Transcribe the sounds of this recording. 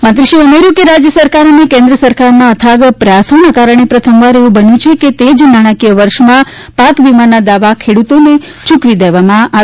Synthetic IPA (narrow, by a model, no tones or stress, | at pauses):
mə̃nt̪ɾiʃiəmeɾjũkeɾad͡ʒjəsəɾkaɾənekẽnd̪ɾəsəɾkaɾnãət̪ʰaɡpɾəjasonakaɾəɳ̃epɾət̪ʰəmʋaɾeʋũbənjũt͡ʃʰeket̪ed͡ʒnaɽ̃ãkijəʋəɾʃmã | pakʋimanad̪aʋakʰeɽut̪one | t͡ʃũkʋid̪eʋamãa